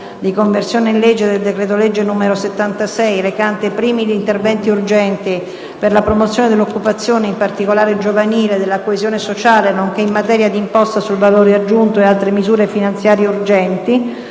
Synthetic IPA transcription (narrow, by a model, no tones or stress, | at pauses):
d̪ikoɱversjoːneinled͡ʒːed̪eld̪ekɾeːt̪oled͡ʒːenumeɾoset̪ːant̪asɛjɾekant̪epɾiːmid̪iːnt̪ervɛnt̪iurd͡ʒɛnt̪i | perlapɾomot̪sjoːned̪elːokːupat̪sːjoːneimpart̪ikolaːɾed͡ʒovaniːled̪elːakoezjoːnesot͡ʃaːlenoŋk̟eimːat̪ɛːɾjad̪impɔst̪asulvaloːɾead͡ʒːunt̪oealt̪ɾemizuːɾefinant̪sjaːɾjeurd͡ʒɛnt̪i